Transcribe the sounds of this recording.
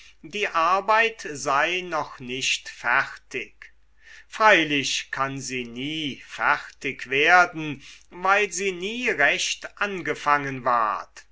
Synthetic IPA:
diːʔaɐbaɪtzaɪnɔχnɪʃtfɛʁtɪk | fʁ̥aɪlɪɕkʰanziːniːfɛʁtɪkveːɐdn̩vaɪlziːniːʁɛʃtʔanɡəfaŋənva̰ɐt

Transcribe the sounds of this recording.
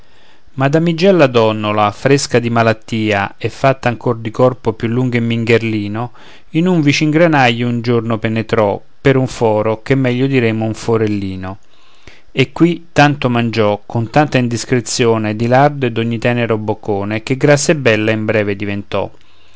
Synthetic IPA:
mad̪amid͡ʒɛlːad̪ɔnːolafɾeskad̪imalat̪ːiːaɛfːat̪ːaŋkord̪ikɔrpopjulːuŋɡemːiŋɡerliːno | inuɱvit͡ʃiŋɡɾanajːound͡ʒornopenet̪ɾɔ | peɾuɱfɔːɾok̟emːɛʎːʊd̪iɾemʊuɱfoɾelːiːno | ekːwit̪ːant̪omand͡ʒɔkʰʊnt̪ant̪aind̪iskɾet̪sːjoːned̪ilard̪ed̪oɲːit̪ɛːneɾobːokːoːnek̟eɡɾasːebːɛlːaimbɾɛːved̪ivent̪ɔ̰

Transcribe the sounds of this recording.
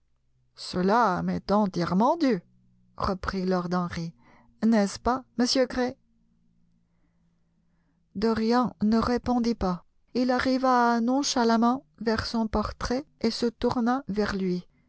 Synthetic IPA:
səlamɛt̪ɑ̃t̪jɛʁmɑ̃d̪y | ʁəpχilɔʁd̪ɑ̃ʁi | nɛspaməsjøɡʁe | d̪əʁjɛ̃nəʁepɔ̃d̪ipa | ilaʁivanɔ̃ʃalamɑ̃ | vɛʁsɔ̃pɔʁt̪χɛesət̪uʁnavɛʁlɥi

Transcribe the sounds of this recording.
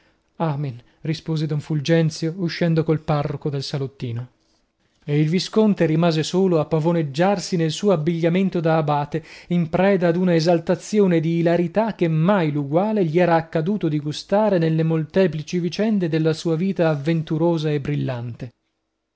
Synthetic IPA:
aːmen | rispoːzed̪ɔɱfuld͡ʒɛnt̪sjouʃːɛnd̪okolparːokod̪elsalot̪ːiːno | eilviskont̪eɾimaːzesoːloapːavoned͡ʒːarsinelsuːoabːiʎːament̪od̪aːbaːt̪eimpɾɛːd̪ad̪unaezalt̪at̪sːjoːned̪iːlaɾit̪ak̟ːemːajluɡwaːleʎiɛːɾaːkːad̪uːt̪od̪iɡust̪aːɾenelːemolt̪ɛːplit͡ʃivit͡ʃɛnd̪ed̪elːasuːaviːt̪aːvːent̪uɾoːzaebːɾilːant̪e

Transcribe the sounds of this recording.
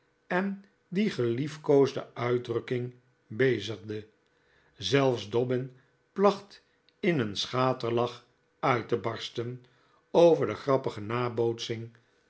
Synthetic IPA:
ɛn | diχəlifkowzdə̰œɥdrɵkɪŋ | bejzəχdə | zɛlˠfzdɔbɪn | plɑχt | ɪnənsχaːtəɹlɑχ | œɥtəbɑɹstən | owvəɹdəχrɑpəχənaːbowtsɪŋ

